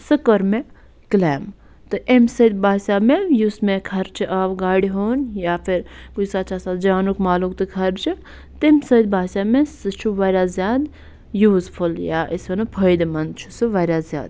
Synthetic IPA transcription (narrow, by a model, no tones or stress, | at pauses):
sɨkəɾme | kleːm | t̪ɨʔemsəd̪̚bʱaːsamejusmekʰɐɾt͡ʃʰiʔaʋɡaːɽiɦoːnjapʰiɾkusat͡ʃasat̪d͡ʒaːnukmaːlukt̪ɨkʰɐɾt͡ʃʰi | t̪emsəd̪̚bʱaːsamesɨt͡ʃʰuʋaɾʲazjaːd̪ | juːzpʰuljaʔisenɨpʰəjd̪mɐnd̪t͡ʃʰusɨʋaɾʲjazʲja̰ːd̪